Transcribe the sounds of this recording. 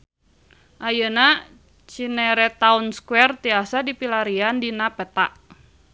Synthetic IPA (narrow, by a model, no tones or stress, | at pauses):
ʔajəna | t͡ʃinɛɾɛt̪aunskwɛrt̪iasadipilaɾiandinapɛt̪a̰ʔ